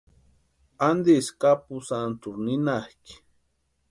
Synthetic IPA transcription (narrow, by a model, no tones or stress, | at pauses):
and̪iskapusant̪uɾninahk